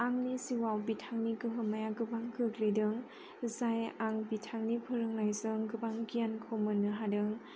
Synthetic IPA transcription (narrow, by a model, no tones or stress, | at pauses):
aŋnisiwawbitʰaŋniɡɯɦɯmajaɡɯbaŋkʰɯklidɯŋ | zajaŋbitʰaŋnipʰɯɾɯŋlajzɯŋɡɯbaŋɡijankʰomɯnɯɦadɯŋ